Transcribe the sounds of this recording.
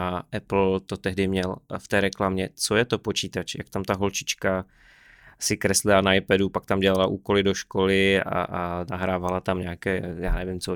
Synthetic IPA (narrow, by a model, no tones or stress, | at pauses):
aʔɛpl̩t̪ot̪ɛɦdɪmɲɛlft̪ɛːɾɛklamɲɛt͡sojɛt̪o̞po̞t͡ʃiːt̪at͡ʃja̰kt̪amt̪aɦo̞lt͡ʃɪ̥t͡ʃka | sɪkɾɛslɪlanaajpɛdupak̚t̪amɟɛlalaʔuːkolɪdo̞ʃkolɪa̰ʔnaɦɾaːvalat̪amɲaːkɛːjaːnɛvɪmt͡so